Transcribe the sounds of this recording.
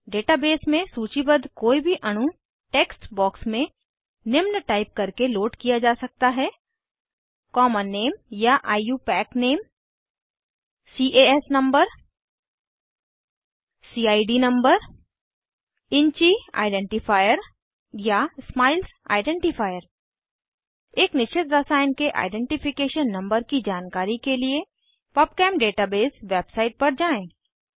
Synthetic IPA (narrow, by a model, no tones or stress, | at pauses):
ɖeːʈabeːsmẽsuːt͡ʃibəd̪koːibʱiʔɐɽ̃u | ʈeːksʈbɔːksmẽ | nɪmnʈaːɪp̚kɐɾkeloːʈkijad͡ʒaːsɐk̚t̪aɦɛː | kɔːmənːeːmjaʔaːjuːpɛːkneːm | siːʔeːɛsnɐ̃mbəɾ | siːaːiɖinɐ̃mbəɾ | ɪ̃ɲt͡ʃia̰ːɪɖẽɳʈɪfʰaːjəɾ | jasmaːɪlsa̰ːɪɖẽɳʈɪpʰaːjəɾ | eːknɪʃt͡ʃːɪt̪ɾəsaːjɪnkeʔa̰ːɪɖẽɳʈɪpʰɪkeːʃənːɐ̃mbəɾkid͡ʒaːnkaːɾikelie | pɔːp̚kɛːmɖeːʈabeːzʋeːbsaːɪʈ̚pɐɾd͡ʒaːẽː